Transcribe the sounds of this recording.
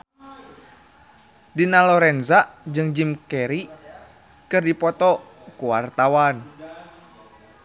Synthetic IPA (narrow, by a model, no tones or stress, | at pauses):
dinalɔɾɛnzad͡ʒɨŋd͡ʒimkɛɾi | kɨrdipɔt̪ɔ | kuwart̪awan